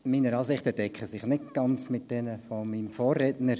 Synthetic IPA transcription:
miːnəɾɑːsɪχtəd̥ɛkʰəsɪχnɪt̚ɡ̥ɑnt͡smɪt̚d̥ɛnəfomiːmfoːrːɛtnəɾ

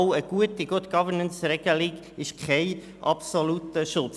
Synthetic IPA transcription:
ʊəɡ̥uətiɡ̥ʊtɡ̥ɑvəɹnənsɾɛɡ̥əliɡ | ɪʃkʰχɛɪ | ʔɑ̰psolut̪əʃʊt͡s

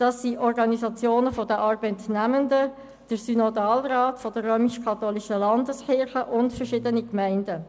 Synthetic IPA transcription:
d̥ɑsiʔɔrɡɑnizɑt͡sjoːnəfɔdəʔɑɾbɛtnæməndə | d̥əɾsynodɑːlraːtfɔd̥əɾːøːmiʃkʰɑt̪oːliʃəlɑndəskɪɾχəʔʊntfərʃɪdənikmæɪndə

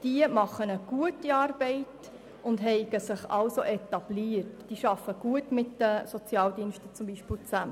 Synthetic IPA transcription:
d̥iəmɑχənəɡ̥uətiɑːɾbɛɪt | ʊndɦɛɪɡ̥əsɪχɑlsoʔɛtɑb̥liːərtd̥iːʃɑfːəɡ̥uətmɪtdəsɔt͡sjɑːldiənʃtət͡sʊmbiʃpɪlt͡sæmə

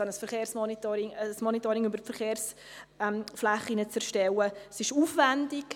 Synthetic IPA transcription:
ɑnəsfəɾχeːɾsmɔnitoɾɪŋsmɔnitɔɾɪŋybəɾfəɾχeːɾs | mflaχinət͡sɛɾʃtɛwəsɪʃuːfvɛndɪk

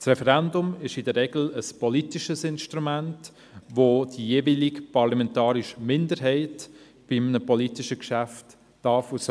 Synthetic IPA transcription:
srɛfɛɾɛndʊmɪʃɪdərːɛɡl̩əspʰɔlitiʃəsɪnʃtɾumænt | ʋod̥ijeːvilɪkpʰɑɾlamɛntɑːɾɪʃmɪndəɾɦɛɪt | b̥ɪmnəpɔlitiʃəkʃæftː | ɑfus

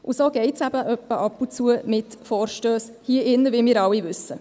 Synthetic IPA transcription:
ʔusoːɡ̥ɛɪtsæb̥əʔœpːəʔɑpːut͡suəmɪtfɔːɾʃtøːshiəʔɪnːəʋɪlmiːɾɑwivʏsːə

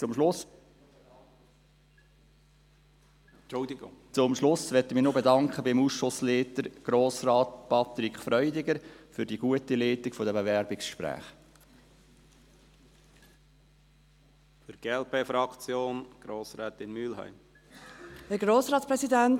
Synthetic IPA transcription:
t͡sʊmʃlʊs | dt͡sʊmʃlʊsvʋɛtəmɪnobedɑŋkχəbɪmusʃʊsleːtəɾɡ̥ɾoːsɾɑːt̚pʰɑt̪ɾikχfɾœʏdɪɡəɾfʏɾdiɡ̥uətileːtɪkfɔdəbəvɛɾbɪksʃpɾæ̰ːχ | fɪɾɡ̥eɛlpeːfɾɑkt͡sjoːnɡ̥ɾoːsɾɛːt̪ɪnmylɦœ̰ɪm | əɡɾoːsɾɑːtspɾɛsidæn

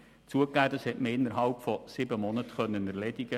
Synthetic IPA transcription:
t͡suəkːæːd̪ɑshɛtməɪnːəɾɦɑlpfɔsɪbəmɔnətχœnːənɛɾlɛdɪɡə

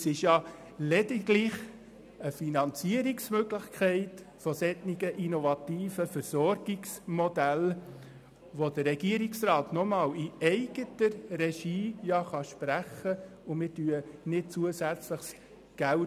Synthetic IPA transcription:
sɪʃjɑ | lɛdɪɡlɪχ | əfinɑnt͡siəɾɪksmøɡlɪχkʰχɛɪt | fɔsɛtniɡəʔinɔvɑt̪iːfəfəɾsɔɾɡ̥ɪksmɔdæl | ʋodəːɛɡ̥iəɾɪksrɑːtnɔmɑːliɛɪɡətəɾrɛʃiːjɑχɑʃpɾæχəʊmɪtyːənɪt̚t͡suəsæt͡sləχs | ɡ̥æl

